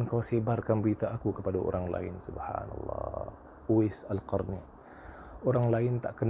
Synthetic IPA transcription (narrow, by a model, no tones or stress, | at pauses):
nkawsibarkanbəɾit̪aːkukəpadao̰ɾaŋla̰ɪ̰nsubha̰nɑ̰lˤːɑ̰ | uɪsalqɔrni | oɾaŋlaɪnt̪aʔkən